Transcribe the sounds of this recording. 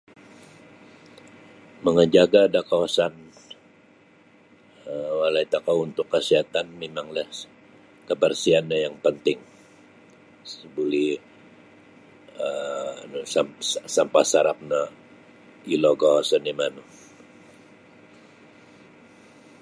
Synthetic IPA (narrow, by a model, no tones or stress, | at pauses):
məŋəd͡ʒaɡaːdakawasan | əwalait̪akawunt̪ʊkːəsiɦat̪anmemaŋlah | kəbərsianːajaŋpənt̪ɪŋ | səbuli | ənusasampasaɾap̚na | iloɡɔsənimanu